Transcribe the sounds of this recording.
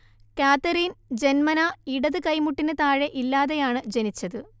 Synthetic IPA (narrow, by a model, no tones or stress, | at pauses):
kaːt̪ːɐɾiːnd͡ʑe̞nmɐnɐiɽɐðɨkɐjmuʈːinɨt̪aːɻeʔilːaːðejaːɳɨd͡ʑenit͡ɕːɐðɨ